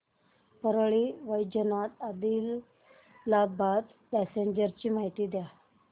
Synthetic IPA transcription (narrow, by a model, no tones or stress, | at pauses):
pəɾɭiːʋəjd͡ʑənat̪ad̪iːlː | abad̪ | pɛseɲd͡ʑəɾt͡ɕiːmaɦit̪iːd̪ja